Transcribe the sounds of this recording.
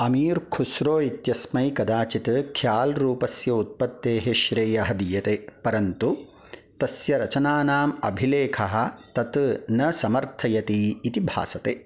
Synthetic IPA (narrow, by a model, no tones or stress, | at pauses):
ɐmiːɾkʰusɾoːit̪jɐsmɐjkɐd̪aːt͡ʃit̪kʰjaːlɾuːpɐsjɐut̪̚pɐt̪ːeːɦeʃɾeːjɐɦɐd̪ijɐt̪eːpɐɾɐnt̪u | t̪ɐsjɐɾɐt͡ʃɐnaːnaːmɐ̰bʱileːkʰɐɦɐ̆t̪ɐt̪nɐsɐmɐɾt̪ʰɐjɐt̪iːt̪ibʱa̰ːsɐt̪eː